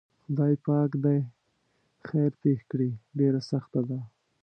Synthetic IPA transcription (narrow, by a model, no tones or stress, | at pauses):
xʊd̪ɑjpɑkd̪aj | xajɾpexkɽiɖeɾasaxt̪ad̪a